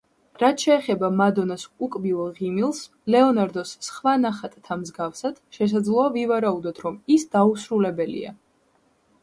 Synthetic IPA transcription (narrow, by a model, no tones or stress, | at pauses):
ɾat̪ʰʃɛːχɛbamad̪ɔnasʼukʼbivɛʁimilˠs | lɛɔnaɾd̪ɔsːχwanaχat̪ʼt̪ʰamzɡafsad̪̥ʃɛs̬ad̪zlˠɔavivaɾaud̪ɔt̪ʰɾɔmisd̪̥ausɾulɛbɛlḭa̰